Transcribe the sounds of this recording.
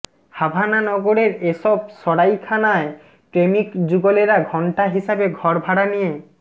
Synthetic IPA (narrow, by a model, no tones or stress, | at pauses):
habʱananɔɡoɾeɾeʃɔb̚ʃɔɽajkʰanae | pɾemikd͡ʑuɡoleɾaɡʱɔɳʈaɦiʃabeɡʱɔɾbʱaɽanije